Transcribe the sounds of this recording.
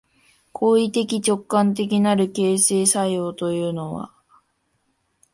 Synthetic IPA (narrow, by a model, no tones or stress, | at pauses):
kʰo̞ːit̪e̞kʲit͡ɕo̞kːãnt̪̬e̞k̬ʲinaɾɯ̟ke̞ːse̞ːsajo̞ːt̪o̞jɯ̟ːno̞βa̰